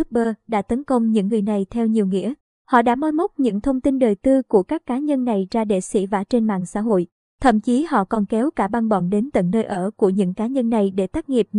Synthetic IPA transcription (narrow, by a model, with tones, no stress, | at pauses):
ɨ˦˥k̚ɓəː˧ɗa̰ː˧˥t̪ə˨˦nkə˧wŋ͡mɲɨ̰˧˥ŋːɨ˨˩əjna˨˩jt̪ʰɛ˧wɲi˨˩əwŋḭ˧˥ə | hɔ̰˧˨ɗa̰ː˧˥mɔ˧jmɔ˦˥t̚ɲɨ̰˧˥ŋt̪ʰə˧wŋ͡mt̪i˧nɗəː˨˩jt̪ɨ˧ku˧˩əkaː˦˥kːaː˨˦ɲə˧nːa˨˩jzaː˧ɗḛ˧˨sḭ˧˥vaː˧˩t͡ɕe˧nma̰ː˧˨ŋsa̰ː˧˥ɦo̰˧˨j | t̪ʰə̰˧˩mt͡ɕi˨˦hɔ̰˧˨kɔ˨˩nkɛ˨˦wkaː˧˩ɓa˧ŋɓɔ˧˩nɗe˨˦nt̪ə̰˧˨nːəː˧jʔəː˧˩ku˧˩əɲɨ̰˧˥ŋkaː˨˦ɲə˧nːa˨˩jɗe˧˩t̪aː˦˥k̚ŋi˨˩əp̚